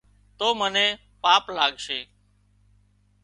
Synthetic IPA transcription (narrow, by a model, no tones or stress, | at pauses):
t̪oːmənẽː | paːplaːɠʃeː